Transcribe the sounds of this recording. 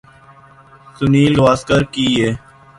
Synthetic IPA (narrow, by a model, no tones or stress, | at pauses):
sʊniːlɡʋaːskəɾkiːeː